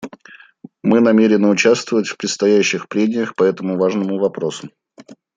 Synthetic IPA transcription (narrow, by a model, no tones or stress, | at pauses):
mɨnɐmʲeɾʲɪnɨʊt͡ɕast̪vəvətʲfpɾʲɪt̪st̪ɐjæɕːɪxpɾʲedʲɪjəxpɐɛt̪əmʊvaʐnəmʊvɐpɾo̞sʊ̥